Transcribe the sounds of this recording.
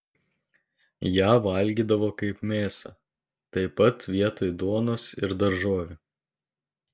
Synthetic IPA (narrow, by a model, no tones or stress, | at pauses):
jæːʋɐlʲɡʲiːd̪ɐʋoːkɐɪpmʲeːsɐ | t̪ɐɪpɐt̪ʋʲiɛt̪oːjd̪oːnʊsɪɾd̪ɐɾʒoːʋʲɪ